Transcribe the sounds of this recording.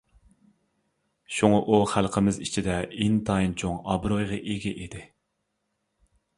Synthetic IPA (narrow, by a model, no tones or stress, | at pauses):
ʃuŋɑʔuχælˠqʰəmɪzit͡ʃʰid̪ɛint̪ʰɑint͡ʃʰoŋɑbɾojʁɑʔeɡʲɛʔid̪ɪ